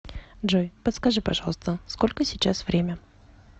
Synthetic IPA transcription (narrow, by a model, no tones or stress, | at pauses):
ʐojpət̪skɐʐɨpɐʐɑlˠst̪əskolʲkəsʲɪt͡ɕasvɾʲemʲə